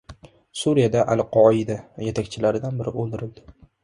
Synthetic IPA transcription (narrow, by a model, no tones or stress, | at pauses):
suɾijad̪aʔalˠqʰɒɪd̪ajet̪ʰakʲt͡ʃʰɪlaɾɪd̪anbɪɾɪ̰ʔolˠd̪ɪɾɪld̪ɪ